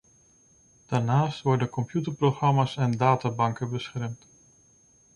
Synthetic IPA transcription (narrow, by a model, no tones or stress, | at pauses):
d̥aːɹnaːstʋɔɹdənkɔmpjytəɹproχrɑmaːsɛndaːtaːbɑŋkəbəsχɛrmt